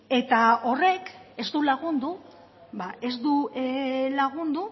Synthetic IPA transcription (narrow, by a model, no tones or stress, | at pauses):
e̞t̪ao̞re̞ke̞zd̪ulaɣund̪u | baʔe̞zd̪u | laɣ̞und̪u